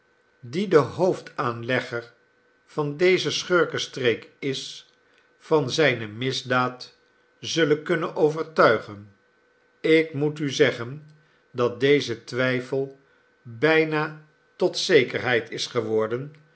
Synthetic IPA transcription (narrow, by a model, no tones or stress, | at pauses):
didəɦowftʰaːnlɛχəɹ | fɑndejzəsχøɹkəstrejkɪs | fɑnzɛjnəmɪzdaːt | zɵləkɵnənʔowvəɹtœɥχən | ɪkmutyzɛχən | dɑt̚dejzətʋɛjfəlˠ | bɛjnaː | tɔtsejkəɹɦɛjtɪsχəʋɔɹdən